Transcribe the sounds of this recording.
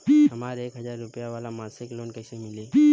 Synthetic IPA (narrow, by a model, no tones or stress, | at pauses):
piɦɐmaːɾeːkɦɐzaːɾːʊpəjaʋaːlamaːsɪkloːnkɛsemɪleːpi